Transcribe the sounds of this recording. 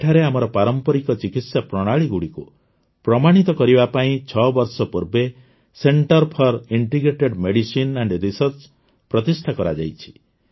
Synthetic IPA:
eʈʰaɾeamɔɾɔpaɾɔmpɔɾikɔt͡ʃikit̪sjapɾɔɽ̃aɭiɡuɽiku | pɾɔmaɽ̃it̪ɔkɔɾibapaĩt͡ʃʰɔbɔɾsɔpuɾbe | seɳʈɔɾpʰɔɾiɳʈiɡɾeʈeɖmeɽisineɳɖɾisɔɾt͡ʃ | pɾɔt̪isʈʰakɔɾad͡ʒa̰jt͡ʃʰi̥

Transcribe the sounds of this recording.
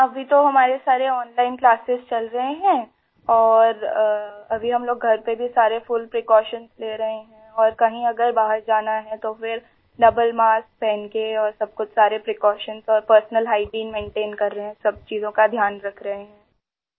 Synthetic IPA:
ɐbʱit̪oɦɐmaːɾesaːɾeɔːnlaːɪnklaːsɪzt͡ʃɐlɾɐɦeɦɛ̃ː | ɔːɾ | ɐbʱiɦɐmloːɡɡʱɐɾpebʱisaːɾefʊlpɾɪkɔːʃənzleːɾɐɦeɦɛ̃ɔːɾkɐɦĩɐɡəɾbaːɦəɾd͡ʒaːnaɦɛ̃t̪ofɪɾ | ɖɐbəlmaːsk̚pɛːnkeɔːɾsɐb̚kʊt͡ʃʰsaːɾepɾekɔːʃənzɔːɾpəɾsnəlɦaːɪʈiːnmẽːɳʈeːnkɐɾːɐɦeɦɛ̃sɐb̚t͡ʃiːzõkad̪ʱjaːnɾɐkʰɾɐɦeɦɛ̃ː

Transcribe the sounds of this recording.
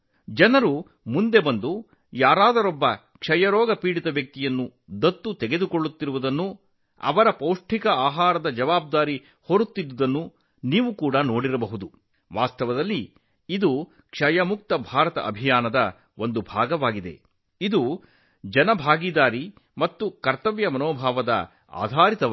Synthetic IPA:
d͡ʒɐnɐɾu | mund̪e̞bɐnd̪u | jaːɾaːd̪ɐɾɔbːɐ | kʂɐjɐɾɔːɡɐpiːɽit̪ɐʋjɐk̚t̪ijɐnːud̪ɐt̪ːut̪ɛɡe̞d̪ukoɭːut̪ːiɾuʋud̪ɐnːu | ɐ̰ʋɐɾɐpɐwʂʈʰikɐaːɦaːɾɐd̪ɐd͡ʒɐʋaːb̚d̪aːɾi | hoɾut̪ːid̪ːud̪ɐnːu | niːʋukuːɽɐnoːɽiɾɐbɐɦud̪u | ʋaːst̪ɐʋɐd̪ɐlːi | id̪u | kʂɐjɐmuk̚t̪ɐbʱaːɾɐt̪ɐ̰ʔɐ̰bʱijaːnɐd̪ɐ | ʔond̪ubʱa̰ːɡɐʋaːɡid̪e̞̰ | id̪u | d͡ʒɐnɐbʱaːɡiːd̪aːɾi | mɐt̪ːukɐɾt̪ɐʋjɐmɐnoːbʱaːʋɐd̪ɐ̰ | a̰ːd̪ʱaːɾit̪ɐ

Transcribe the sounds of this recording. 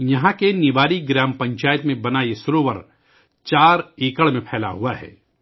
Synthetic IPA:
jɐɦãkenɪʋaːɾiɡɾaːmpɐ̃ɲt͡ʃaːjət̪mẽbɐnaːesɾoːʋəɾ | t͡ʃaːɾeːkəɭmẽpʰɛːla̰ɦuaɦɛ̰ː

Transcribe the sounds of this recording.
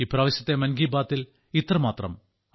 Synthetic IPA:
ipraːʋɐɕjɐt̪ːemɐnɡiːbaːt̪ːil | it̪ːrɐmaːt̪rɐm

